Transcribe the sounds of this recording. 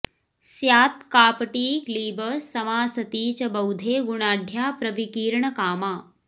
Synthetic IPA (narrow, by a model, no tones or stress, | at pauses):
sjaːt̪kaːpʈiːkliːbəsɐmaːsɐt̪iːt͡ɕɐbɐwd̪ʱeːɡuɳaːɖʱjaːpɾɐʋikiːɾɳɐkaːmaː